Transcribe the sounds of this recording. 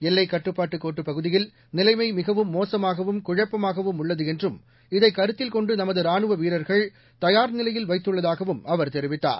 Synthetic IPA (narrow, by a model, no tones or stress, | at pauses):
ɛlːɐɪkːɐʈːɯpːaːʈːɯkːoːʈːɯpɐɣɯðɪjɪl | nɪlɐɪmɐɪmɪɣɐʋɯmːoːsɐmaːɣɐʋɯmkʊɻɐpːɐmaːɣɐʋɯmʊɭːɐðɯɛndrɯm | ɪðɐɪkːɐɾɯt̪ːɪlkɔɳɖɯnɐmɐðɯɾaːɳɯʋɐʋiːɾɐɾɣɐɭ | t̪ɐjaːɾnɪlɐjɪlʋɐɪt̪ːɯɭːɐðaːɣɐʋɯmʔɐʋɐɾt̪ɛɾɪʋɪt̪ːa̰ːɾ